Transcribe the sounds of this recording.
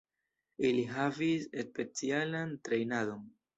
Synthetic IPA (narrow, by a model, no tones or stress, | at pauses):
iliɦavisespe̞t͡sialantɾe̞jnado̞n